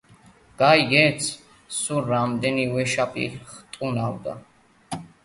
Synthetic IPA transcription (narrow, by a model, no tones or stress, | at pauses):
ɡ̥ajɡɛt̪sʰ | suɾamd̪ɛnivɛʃapʼḭɾχt̪ʼunawd̪a̰